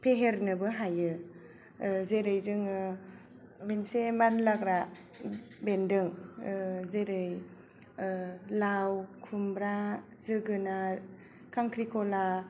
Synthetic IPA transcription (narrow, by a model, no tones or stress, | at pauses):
pʰeɦeɾnɯbɯɦajɯ | zeɾɯjzɯŋɯ | mensemanlaɡɾa | bendɯŋ | zeɾɯj | lawkʰumbɾa | zɯɡɯna | kʰaŋkʰɾikʰɔla